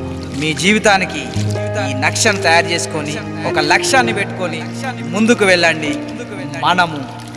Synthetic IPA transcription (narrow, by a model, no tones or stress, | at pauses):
miːd͡ʒiːʋit̪aːnikiiːnɐkʂɐnut̪ɐjaːɾt͡ʃe̞ːsu̥koni | ɔkɐlɐkʂaːnːipeʈːu̥koni | mund̪ukuʋɛɭːɐɳɖi | mɐnɐmu